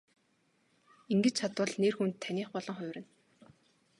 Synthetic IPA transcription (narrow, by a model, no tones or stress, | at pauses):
iŋɡɘ̆t͡ɕt͡ɕʰat̪wə̆ɮneːrxunt̪ʰːænʲiːχpɔɮɞ̆ŋχʊ̟ːɾɘ̆n